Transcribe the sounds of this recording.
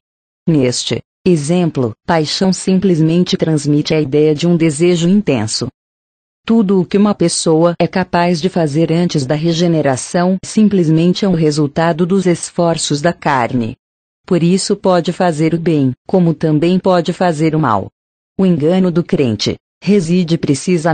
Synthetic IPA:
nest͡ʃɪ̰ | ezẽplʊ̰pajʃɐ̃w̃sĩmplɪzmẽnt͡ʃɪt̪ɾɐ̃zmit͡ʃɪɐid̪ɛjɐd͡ʒɪũd̪ezeʒʊĩnt̪ḛ̃sʊ̰ | t̪ud̪ʊːkɪũmɐpesowɐɛkapazd͡ʒɪfazeɾɐ̃nt͡ʃɪzd̪ɐɦeʒeneɾasɐ̃w̃sĩplɪzmẽnt͡ʃɪɛuɦezuwt̪ad̪ʊd̪ʊzesfɔɾsʊzd̪ɐkaɾnɪ̰ | poɾisʊpɔd͡ʒɪfazeɾʊbẽj̃kõmʊt̪ɐ̃mbẽj̃pɔd͡ʒɪfazeɾʊma̰w | ʊẽŋɡɐ̃nʊd̪ʊkɾḛ̃nt͡ʃɪ̰ | hezid͡ʒɪpɾesizɐ

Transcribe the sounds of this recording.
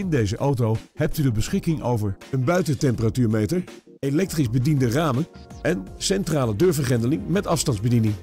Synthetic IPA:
ɪndejzəʔawtowhɛp̚tydəbəsχɪkɪŋʔo̰wvəɹənbœɥtətɛmpəratyːɹmejtəɹ | elɛk̚trizbədindəraːmənʔɛnsɛntraːlədøːɹvəɹχɛndəlɪŋmɛtɑfstɑndzbədinɪŋ

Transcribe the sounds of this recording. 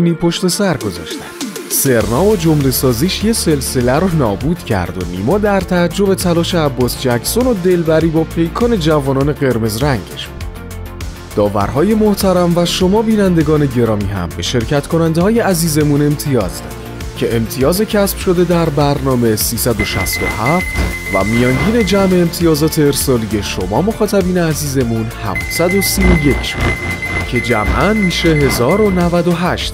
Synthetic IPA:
niːpʰo̞ʃt̪e̞sæɾɡo̞zɒ̰ːʃt̪æ̥n̥se̞ɾnɒːbɒd͡ʒomle̞sɒːziːʃje̞se̞lse̞læɾnɒːbuːd̪̥cʰæ̰ɾd̪o̞nḭːmɒːd̪æɾt̪ʰæːd͡ʒːo̞be̞t̪ʰælɒːʃe̞æbːɒːsd͡ʒæcʰso̞nod̪e̞lbæɾiːbɒːpʰe̞jkʰɒːne̞d͡ʒævɒːnɒːne̞ɣe̞ɾme̞zɾæŋɟeʃ | d̪̥ɒːvæ̰ɾɦɒːje̞moht̪ʰæɾæmvæʃo̞mɒːbiːnænd̪e̞ɡɒːne̞ɟe̞ɾɒːmiːɦæ̰mbe̞ʃe̞ɾcʰæt̪ʰkʰo̞nænd̪ehɒːje̞æziːze̞mune̞mt̪ʰijɒ̰ːzd̪ɒ̰ɾi̥ | cʰe̞emt̪ʰijɒːze̞cʰæsb̥ʃo̞d̪e̞d̪æɾbæɾnɒːme̞siːsæd̪o̞ʃæ̰st̪o̰ɦæft̪ʰvæ̰mijɒːŋɟiːne̞d͡ʒæmeːmt̪ʰijɒːzɒːt̪ʰe̞ːɾsɒːlije̞ʃo̞mɒːmo̞xɒːt̪ʰæbiːneæziːze̞munhæ̰fsæd̪o̞siːoje̞cʰʃod̪ | cʰe̞d͡ʒæ̰mʔænmiːʃe̞ɦe̞zɒːɾo̞nævæd̪oɦæʃt̪

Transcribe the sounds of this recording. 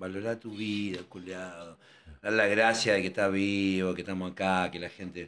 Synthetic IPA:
baloɾat̪uβiðakuljaðo | ðalaɣɾasjaðekeht̪aβiβokeht̪amosakakelaxent̪e

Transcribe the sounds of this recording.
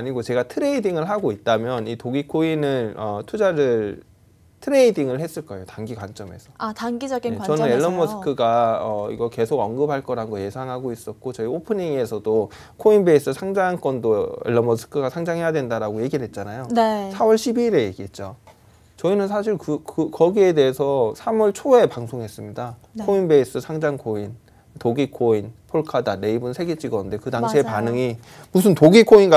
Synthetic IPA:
aɲiɡot͡ɕe̞ɡatʰɯɾe̞idiŋɯɭɦaɡoit̚t͈amjʌnitoɡikʰoinɯnʌtʰud͡ʑaɾɯɭ | tʰɯɾe̞idiŋɯɭhe̞s͈ɯɭk͈ʌejotaŋɡikwant͡ɕ͈ʌme̞̰sʰʌataŋɡid͡ʑʌɡiat͡ɕʌnɯneɭːʌmʌsʰɯ̥kʰɯɡaʌḭɡʌke̞sʰoɡʌnɡɯpʰaɭk͈ʌɾanɡoje̞sʰaŋɦaɡois͈ʌt̚k͈ot͡ɕʌiopʰɯniŋe̞sʰʌdo | kʰoinbe̞is͈ɯsʰaŋd͡ʑank͈ʌndoḛɭːʌmʌsʰɯ̥kʰɯɡasʰaŋd͡ʑaŋɦejadwendaɾaɡoje̞ɡiɭɦe̞t̚t͡ɕ͈anajosʰawʌɭɕʰibiːɾe̞je̞ɡiɦe̞t̚t͡ɕ͈o | t͡ɕʌinɯnsʰaɕ̬ʰiɭkɯkɯkʌɡie̞de̞esʰʌsʰamʌɭt͡ɕʰoe̞paŋsʰoŋɦe̞s͈ɯmɲida | kʰoinbe̞is͈ɯsʰaŋd͡ʑaŋkʰoin | toɡikʰoinpʰoɭkʰadane̞ibunsʰe̞ɡet͡ɕ͈iɡʌunde̞kɯdaɕʰiepanɯŋi | musʰɯntoɡikʰoinɡa

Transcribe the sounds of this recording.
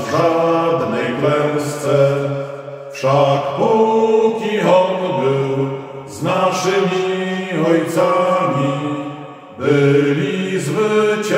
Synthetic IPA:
ʐad̪nɛjplɛw̃st̪sɛ | fʂakpukʲiɔnbɘw | znaʂɘmʲiɔjt̪samʲi | bɘlʲizvɘt͡ɕ

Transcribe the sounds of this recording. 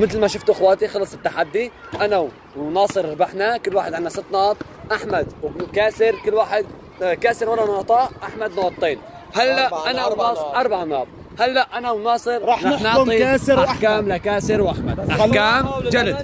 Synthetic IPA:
mɪt̪lmaʃʊft̪ʔɪxwaːt̪ixɑlɑsˤɪt̪ːaħad̪ːi | ʔanaw | nɑːsˤɨɾɾbaħnakʊlːwaːħɪd̪ʕɪnːasɪt̪ːnɑːt̪ˤ | ʔaħmad̪kaːsɪɾkɪlːwaːħɪd̪̚ | kaːsɪɾwalːanɑːt̪ˤɑːʔaħmad̪nɑːt̪ˤːiːn | halːaʔʔanawnːʔɑɾˤbaʕanɑːt̪ˤ | halːaʔʔanawnɑːsˤɨɾˤnanɑʕˤiaːsɾaħkaːmlakaːsɪɾwʔaħma̰d̪ʔakaːmd͡ʒalad̪

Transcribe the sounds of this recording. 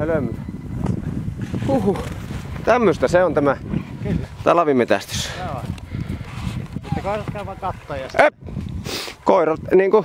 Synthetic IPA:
elømːys | huhut̪æmːøst̪æseont̪æmækylːt̪ɑlɑʋimet̪æ̰st̪y̥so | mit̪ːækoˑirɑt̪kæyʋɑkɑt̪ːojɑe | koˑirɑt̪niːŋku

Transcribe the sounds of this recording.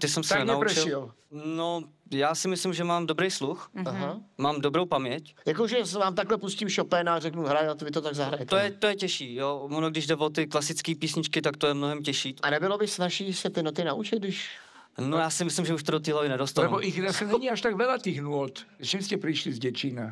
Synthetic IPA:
t̪ɪsɛmsɛnɛnaupɾt͡ʃɪlɪl | nojaːsɪmɪslɪmʒɛmaːmdobɾejsluxaɦamaːmdobɾowpamɲɛcjakoʒɛsvaːmt̪aklɛpuscimʃopɛːnarɛknuɦɾajt̪ovɪt̪ot̪aɡzaɦɾaɲɛt̪ojɛt̪ojɛcɛʃiːjovonoɡ̚dɪʒdɛvot̪ɪklasɪt͡skiːpiːsɲɪt͡ʃkɪt̪akt̪ojɛmnoɦɛmcɛʃiːʔanɛbɪlobɪsvaʃiːsɛt̪ɪnot̪ɪnaʔut͡ʃɪt̪̚ɡdɪʃ | nojaːsɪmɪslɪmʒɛuʃt̪odot̪iːɦlavɪnɛdost̪anlɛboʔɪxasɛnɲiaʃt̪aɡvɛlat̪ixnuɔt̪t͡ʃimscɛpɾɪʃlizɟɛt͡ʃina

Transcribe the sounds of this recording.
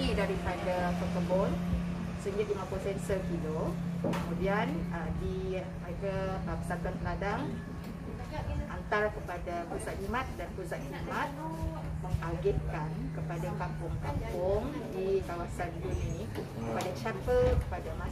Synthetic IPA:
idaɾipadakəkəbɔn | səŋɡɪt̪̚uŋaposɛnsəkilokəmudianədi | məɾekapəsak̪anpənadaŋ | ʔant̪arkəpadapusat̪̚imãt̪̚danpusat̪̚imãt̪̚ | mə̃ŋaɡɛt̪̚kankəpadakampʊŋkampʊŋdikawasanɡunĩ | kəpadat͡ʃapəkə̥padama

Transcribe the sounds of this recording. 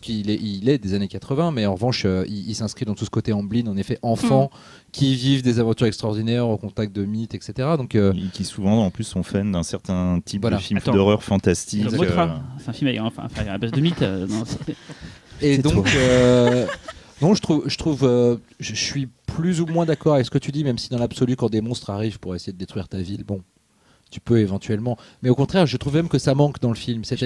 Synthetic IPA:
sə̥kilɛʔilɛd̪ezanekat̪χəvɛ̃mɛɑ̃ʁəvɑ̃ʃøiilsɛ̃skχid̪ɑ̃t̪usə̥kot̪eɑ̃blinɑ̃nefɛʔɑ̃fɑ̃ | kʲʰivivd̪ezavɑ̃t̪yʁɛkst̪χɔʁd̪inɛʁokɔ̃t̪ak̚t̪̚d̪əmit̪ɛkset̪eʁad̪ɔ̃køkʲisuvɑ̃ɑ̃plysːɔ̃fand̪ɛ̃sɛʁt̪ɛ̃t̪ʰipvwadafilmm̃d̪ɔʁœʁfɑ̃t̪ast̪imot̪asɛt̪ɛ̃filmaɛkfɛ̰̃fɛ̃abazd̪əmit̪ønɔ̃s | ed̪ɔ̃kø | nɔ̃ʒət̪χuvʒət̪χuvø | ʒəsɥiplyzumwɛ̃d̪akɔʁavɛksə̥kət̪yd̪imɛmsid̪ɑ̃labsɔlykɑ̃d̪emɔ̃st̪χaʁivpuʁesejed̪əd̪et̪χɥiʁt̪avilbɔ̃ | t̪y̥pøevɑ̃t̪ɥɛlmɑ̃ | mɛokɔ̃t̪χɛʁʒət̪χuvmɛmkəsamɑ̃kd̪ɑ̃ləfilmsɛ

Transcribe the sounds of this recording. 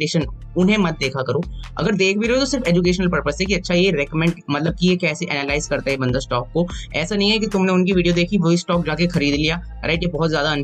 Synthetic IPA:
eːʃən | ʊnɦẽmɐt̪̚d̪eːkʰakɐɾoːɐ̰ɡəɾd̪eːk̚ʰbiɾeɦot̪osɪɾfeːd͡ʒuk̬eːʃənəlpɐɾpəsɦɛkiɐtːʃʰajeɾɛːkəmɛ̃ɳɖmɐt̪ləb̚kijekɛːseʔɛ̰ːnalaːɪzkɐɾt̪aɦɛbɐ̃nd̪asʈɔːkːoɛ̰ːsanɐɦĩɦɛkit̪ʊmneʊnkiʋiːɖijod̪eːkʰiʋoːisʈɔːk̚d͡ʒaːkexɐɾiːd̪lijaː | ɾa̰ːɪʈjebɔɦɔt̪zjaːd̪aɐn

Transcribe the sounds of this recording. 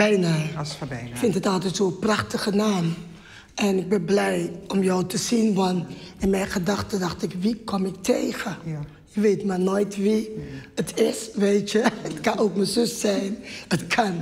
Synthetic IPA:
bɛjna | ɪkfɪntətɑlˠtɛtsoːprɑχtəχənaːm | ʔɛnɪɡ̚bɪnblɛjɔmjowtəzinʋɑnɪnmɛjnχədɑχtədɑχtɪkʋikɔmɪk̚tʰejχə | jəʋeːtmarnojtʋiətʰɪsʋeːtjəətkɑnowkməzɵsːɛjnətkʰɑn

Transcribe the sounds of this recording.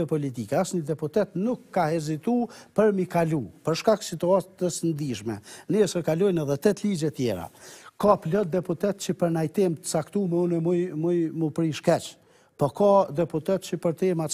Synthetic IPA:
ɛpɔlit̪ikɛasɲəd̪ɛput̪ɛt̪nukːahɛzit̪upəɾmikalupəɾʃkaksit̪uat̪əsənd̪iʃmɛ̰nɛɛsɛkalɔjnɛðɛt̪ɛt̪lid͡ʒɛt̪jɛ̰ɾa̰kɔplɔt̪̚d̪ɛput̪ɛt̪̚t͡ɕəpəɾnajt̪ɪmt̪ə̥t͡sakt̪umɛunɛmujmujmupɾiʃkɛt͡ʃ | pɔkɔd̪ɛput̪ɛt̪t͡ɕəpəɾt̪ɛma

